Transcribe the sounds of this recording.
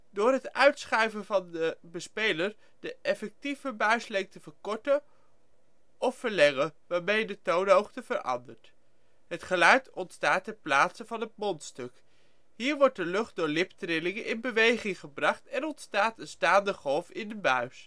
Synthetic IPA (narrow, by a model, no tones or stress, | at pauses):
dʊːɹɦətœɥtsχɛɥvəvɑndəbəspejləɹ | d̥əʔɛfɛk̚tifəbœɥslɛŋk̚təvəɹkɔɹtə | ɔfəɹlɛŋəʋaːɹmejdətownɦowχtəvəɾʔɑ̰ndəɹt | ɦətχəlœɥtɔntstaːtɛplaːtsəvɑnɦət̚mɔntstɵk | ɦiːɹʋɔɹt̚dəlɵχt̚dʊːɹlɪptrɪlɪŋənʔɪnbəʋejχɪŋχəbrɑχtɛnɔntstaːtənstaːndəχɔlˠfɪndəbœɥs